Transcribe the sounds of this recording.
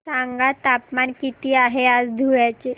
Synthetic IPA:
saŋɡat̪apmankit̪iːaɦead͡zd̪ʱujat͡ɕe

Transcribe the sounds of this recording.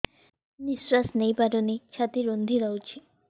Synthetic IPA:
niswasnəjpaɾonit͡ʃʰat̪iɾond̪ʱiɾawt͡ʃʰi

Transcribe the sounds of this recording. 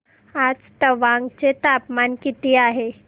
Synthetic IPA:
ad͡zt̪əʋãŋɡt͡ɕet̪apmankit̪iaɦe

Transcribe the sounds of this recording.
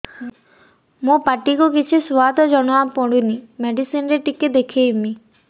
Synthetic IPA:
mũpaʈikukit͡ʃʰiswad̪ʱɔd͡ʒɔɽɔapɔɽunimeɖisinɾeʈiked̪ekʰijmi

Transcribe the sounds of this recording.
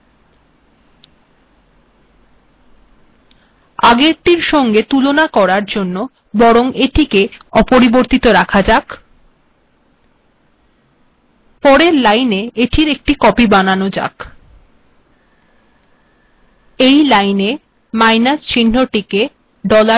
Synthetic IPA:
aɡeɾʈiɾʃɔŋɡet̪ulonakɔɾaɾd͡ʑonːo | bɔɾoŋeʈikeɔpoɾiboɾt̪it̪oɾakʰad͡ʑak | pɔɾeɾlajneeʈʰiɾek̚ʈikɔpibananod͡ʑa̰k | ejlajne | majnast͡ɕinːoʈike | ɖɔla

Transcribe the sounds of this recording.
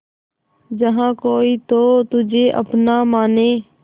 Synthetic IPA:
d͡ʒəɦãːkoːiːt̪oːt̪ʊd͡ʒʱeːʔə̰pnaːmaːneː

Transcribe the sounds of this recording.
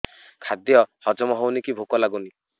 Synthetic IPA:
kʰad̪jɔhɔd͡ʒɔmɔɦɔwnikibʱukɔlaɡuni

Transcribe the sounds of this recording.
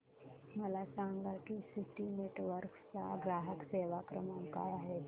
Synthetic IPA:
məlasaŋɡakisiʈineʈʋəɾkt͡sa̰ɡɾaɦəkseʋakɾəmənka̰jaɦe

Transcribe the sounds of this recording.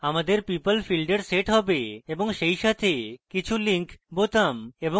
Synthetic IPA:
amad̪eɾpipəlfilɖeɾseʈɦɔbeeboŋʃejʃat̪ʰekit͡ɕʰuliŋkbot̪amebo

